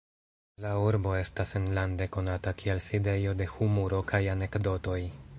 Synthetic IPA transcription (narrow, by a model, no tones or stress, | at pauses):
lauɾbo̞e̞stase̞nlande̞ko̞natakʰielside̞jo̞de̞humuɾo̞kʰajane̞kdo̞to̞j